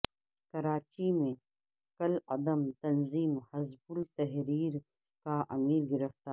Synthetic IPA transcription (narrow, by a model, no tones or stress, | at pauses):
kɐɾaːt͡ʃimẽ | kɐlɐd̪əmt̪ɐnziːmhɐzbʊlt̪ɐɦɾiːɾ | kaʔɐmiːɾɡɪɾəft̪aː